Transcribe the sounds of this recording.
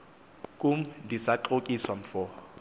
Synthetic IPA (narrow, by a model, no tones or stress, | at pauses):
kʼʊm̩disaǃokʼiswam̩fɔː